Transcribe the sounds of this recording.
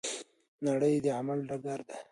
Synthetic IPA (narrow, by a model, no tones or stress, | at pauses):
naɽəjd̪əʕamalɖaɡaɾd̪e